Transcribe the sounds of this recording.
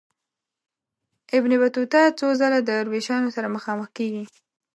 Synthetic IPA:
ɪbnɪbat̪ut̪ɑt͡sozalad̪əɾweʃɑnosaɾaməxɑməxkeɡi

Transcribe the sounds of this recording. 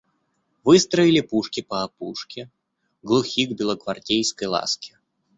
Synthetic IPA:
vɨst̪ɾəɪlʲɪpuʂkʲɪpɐːpuʂkʲɪ | ɡlˠʊxʲiɡbʲɪlˠəkvartʲejskəjlˠa̰skʲɪ̥

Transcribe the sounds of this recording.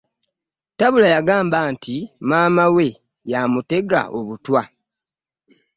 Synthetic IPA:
taβulajaɡaːmbaːntʰimaːmawe̞ | jamute̞ɡa̰ʔo̞βutwa

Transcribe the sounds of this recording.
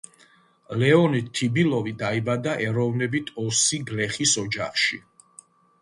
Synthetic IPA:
lɛɔnit̪ʰːibilˠɔvid̪aibad̪aʔɛɾɔvnɛbit̪ʰɔsiɡlɛχisɔd͡ʒaχʃḭ

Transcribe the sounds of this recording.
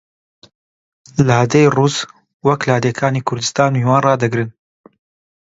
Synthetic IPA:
lahɐd̪ejruːs | wɐklahd̪ekʰaːniːkʰʊɾd̪ɨst̪aːnmiwaːnrɑːd̪ɐɡɾɨn

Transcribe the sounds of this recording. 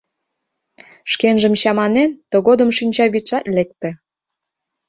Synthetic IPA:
ʃkenʒə̆mt͡ɕɑmɑnent̪oɣod̪ə̆mʃinʲt͡ɕɑβit͡ʃɑt̪lek̚t̪ĕ

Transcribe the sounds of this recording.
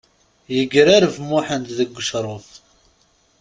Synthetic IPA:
jəɡɾaɾəvmʊħənt̪ðəɡʷːəʃɾˤoθ

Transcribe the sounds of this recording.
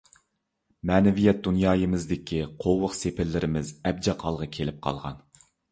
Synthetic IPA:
mɛːnɪvijɛt̪̚d̪unjɑːjɨmɪzd̪ɪkʲʰiqʰowʊqsepʰɪlːɪɾɪmɪzɛb̚d͡ʒɛqʰɑlˠʁɑkʲʰelɪp̚qʰɑ̰lˠʁɑ̰n

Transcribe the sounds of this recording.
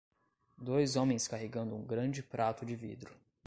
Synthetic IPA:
d̪ojzõmẽj̃skaɦeɡɐ̃nd̪ʊũɡɾɐ̃d͡ʒɪpɾʔat̪ʊd͡ʒɪvḭd̪ɾʊ

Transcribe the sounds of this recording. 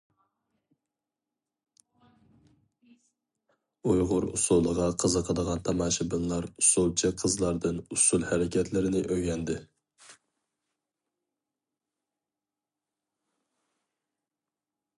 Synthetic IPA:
ujʁʊɾṵsulˠəʁɑqʰəzəqʰəd̪əʁɑnt̪ʰɑmɑːʃɪbɨnlˠɑɾusulˠt͡ʃʰɪqʰəzlˠɑɾd̪ɨnusulˠhæɾɪkʲʰɛt̪ʰlɪɾɪnɪʔøɡʲɛnd̪ɪ

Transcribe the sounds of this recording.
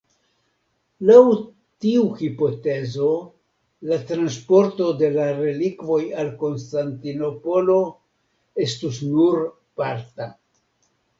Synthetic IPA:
law | tiuhipo̞te̞zo̞ | lat̪ɾanspo̞ɾto̞de̞laɾe̞likvo̞jalko̞nstantino̞po̞lo̞ | e̞stusnuɾ | paɾt̪a

